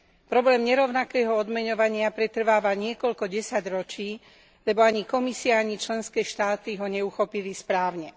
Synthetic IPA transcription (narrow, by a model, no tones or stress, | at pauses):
pɾɔblɛːmɲɛɾɔʊnakɛːɦɔɔd̪mɛɲɔʋaɲɪapɾɛt̪r̩ʋaːʋaɲɪɛkɔʎkɔɟɛsaɟɾɔt͡ʃiː | lɛbɔaɲikɔmisiaaɲit͡ʃlɛnskɛːʃt̪aːt̪iɦɔɲɛuxɔpilispɾaːʊɲɛ